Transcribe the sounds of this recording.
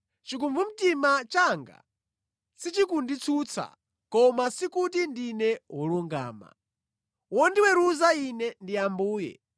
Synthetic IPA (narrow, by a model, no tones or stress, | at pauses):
t͡ʃik̬umvum̩timat͡ʃaŋɡa̰ | sit͡ʃikundit͡sʰut͡sʰa̰ | kɔmasikut̬indinɛwɔluŋɡa̰ːma̰ | wɔndiwɛɾuzainɛndiambuːjɛ̰